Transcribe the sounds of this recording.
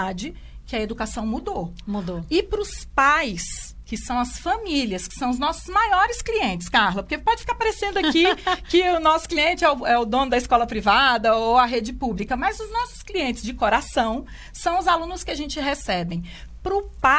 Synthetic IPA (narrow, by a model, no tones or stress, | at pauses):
ad͡ʒɪ | kɪɐed̪ukasɐ̃w̃mud̪omud̪oɪpɾʊspajs | kɪsɐ̃w̃ɐsfɐmiliɐskɪ̥sɐ̃w̃ʊznɔsʊ̥zmajɔɾɪskliẽnt͡ʃɪ̥skaɾlɐpoɾkepɔd͡ʒɪfi̥kaɾpaɾesẽnd̪ʊɐkikɪʊnɔsʊ̥kliẽnt͡ʃɪɛʊɛʊd̪õnʊd̪ɐiskɔlɐpɾivad̪ɐoɐɦed͡ʒɪpublikɐmɐjzʊznɔsʊ̥skliẽnt͡ʃɪzd͡ʒɪkoɾasɐ̃w̃ | sɐ̃w̃ʊzalũnʊskɪaʒẽnt͡ʃɪɦesɛbẽj̃ | pɾʊpa